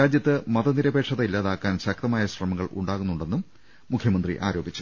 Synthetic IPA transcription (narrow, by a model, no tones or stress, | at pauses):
aːd͡ʑjɐt̪ːɨmɐðɐniɾɐbe̞ːʈʂɐðɐilːaːðaːkːaːnɕɐk̚t̪ɐmaːjɐɕrɐmɐŋːɐɭṵɳɖaːɣunːuɳɖe̞nːumː | ukʰjɐmɐnd̪rḭʔa̰ːɾo̞ːbit͡ɕːu̥